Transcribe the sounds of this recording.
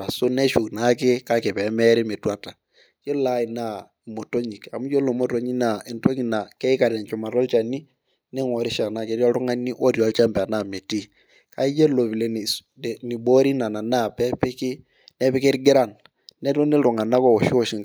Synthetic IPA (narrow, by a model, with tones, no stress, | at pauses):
a˨sʊ˦nɛ˦ʃʊ˨kna˨˦kɪ˦ka˦ke˨pɛ˨˦mɛ˦ɾɛ˦me˨twa˦˨ta˨ | jo˦la˦ɪ˨na˦ | i˨mo˨to˦ɲi˨ka˨mu˦jo˦lo˨˦mo˦to˦ɲi˦na˨ɪ˨nto˦ki˦na˨kɛ˦ɪ˦ka˨ɾa˨nt͡ʃɔ˨ma˨tɔ˦lt͡ʃa˨ni˦ | ne˦ŋɔ˨ɾɪ˦ʃa˨na˨ke˨˦ɾjɔ˦ɾʊ˦ŋa˦ni˦ʔo˦ɾjlt͡ʃa˦mpɛ˨a˨na˦˨me˨ti˦˨ | ka˦i˦je˦lo˨βi˨le˨n˨ | ni˨bo˦ɾi˦na˨na˨na˦˨pɛ˦pɪ˦kɪ˦ | nɛ˦pɪ˦ke˦ɾɡɪ˦ɾa˦˨nː | ɛ˦to˦ne˦ɾʊ˨ŋa˨na˦kɔ˦˨o˨ʃi˦o˦˨ʃɪ˦ŋ